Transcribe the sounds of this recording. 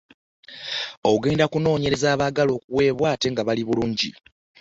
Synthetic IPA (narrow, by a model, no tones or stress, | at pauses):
o̞uɡe̞ːndakuno̞ːɲe̞ɾe̞zaːβaɡalo̞ːkuwe̞ːβwaːte̞ŋɡaβaliβuluːɲɟḭ